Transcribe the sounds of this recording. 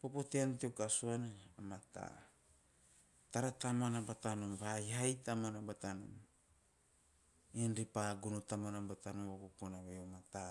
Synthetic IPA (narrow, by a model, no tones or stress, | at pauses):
popotiantiokasuanaamata̰ | taɾatamoanabatanumβaiɦajtamonabatanṵm | inɾipaɡunutamonabatanuβakukonaβejomata